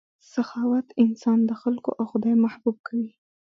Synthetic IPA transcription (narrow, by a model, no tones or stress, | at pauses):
saxɑwat̪ɪnsɑnd̪əxalko̰ʔawxʊd̪ɑjmahbub̚kʰawi